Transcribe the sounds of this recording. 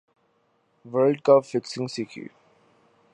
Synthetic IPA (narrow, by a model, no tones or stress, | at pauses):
ʋəɾlɖkʌpfɪksɪ̃ŋsikʰḭ